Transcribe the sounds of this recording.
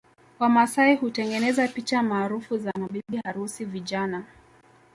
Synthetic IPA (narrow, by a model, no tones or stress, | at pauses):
kwamasaihutɛŋɡɛnɛzapit͡ʃamaːɾufuzanaɓiɓihaɾusiviʄana